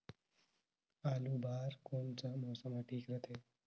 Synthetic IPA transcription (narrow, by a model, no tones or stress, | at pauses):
aːluːbʱaːɾkoɳt͡samɔːsəmaʈʰiːkɾət̪ʰe